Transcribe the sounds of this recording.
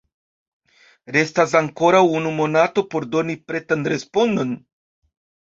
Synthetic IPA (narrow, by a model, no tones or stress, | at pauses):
ɾe̞stas̬aŋko̞ɾawunumo̞nato̞po̞ɾdo̞nipɾe̞tanɾespo̞ndo̞n